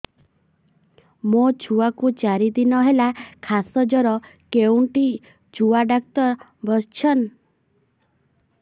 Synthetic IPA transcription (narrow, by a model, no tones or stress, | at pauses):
mot͡ʃʰuwakut͡ʃaɾid̪inɔɦelakʰasɔd͡ʒɔɾɔkeuɳʈi | d͡ʒuaɖak̚t̪ɔɾ | bʱɔst͡ʃʰɔn